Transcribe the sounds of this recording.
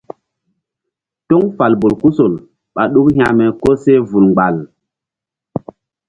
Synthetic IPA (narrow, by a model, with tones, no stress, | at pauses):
to˦ŋfa˨lbo˨lku˦so˨l | ɓa˨ɗu˦khja˨mɛ˨ko˦se˦vu˨lŋ͡mɡ͡ba˨l